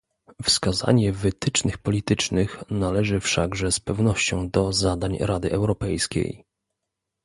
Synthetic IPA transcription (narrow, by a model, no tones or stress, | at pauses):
fskaza̰ɲɛvɘt̪ɘt͡ʂnɘxpɔlʲit̪ɘt͡ʂnɘxnalɛʐɘfʂaɡʐɛspɛvn̪ɔɕt͡ɕɔ̃w̃d̪ɔzad̪aɲɾad̪ɘʔɛwɾɔpɛjskʲḛj